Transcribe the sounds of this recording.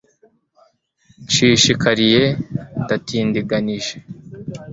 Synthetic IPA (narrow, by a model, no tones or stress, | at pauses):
t͡ʃiʃikaɾije̞datʰiːndiɡaniʒe̥